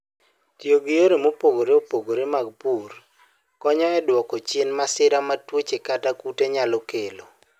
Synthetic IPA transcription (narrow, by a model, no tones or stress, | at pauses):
tjoɡijoɾemopoɡoɾeopoɡoɾemaɡ̚pur | kɔɲɔɛdwɔkɔt͡ʃɪnmasɪɾamatwot͡ʃekatakuteɲalokelo